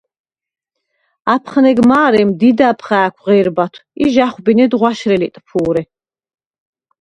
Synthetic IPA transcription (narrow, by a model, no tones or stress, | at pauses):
apʰχnɛɡmaːɾɛmd̪id̪apʰχaːkʷʰʁɛɾbat̪ʰiʒaχwbinɛd̪ʁwaʃɾɛlit̪ʼpʰuːɾɛ